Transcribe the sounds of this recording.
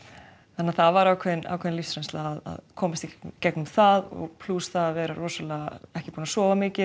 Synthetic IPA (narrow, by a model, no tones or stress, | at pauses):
θanːaɾθaðvaɾaːwkʰvɛðɪnʔa̰wkʰɛðɪnlisɾɛnst̪laaða̰ðkʰɔːmast̪icɛknʏmθaðɔ̰ɣpʰlusθaðaðvɛːɾarɔːsalaaɛhcɪ̥puːnasɔːvamɪːcɪ